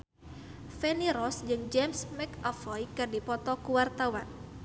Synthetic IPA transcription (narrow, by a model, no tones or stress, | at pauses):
fɛniɾɔsd͡ʒɨŋd͡ʒɛmsmɛkafɔjkɨrdipɔt̪ɔkuwart̪awan